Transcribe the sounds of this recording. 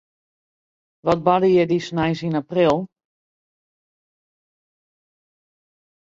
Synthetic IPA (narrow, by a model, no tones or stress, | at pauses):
ʋɔt̚badəjɛdisnajnsinaprilˠ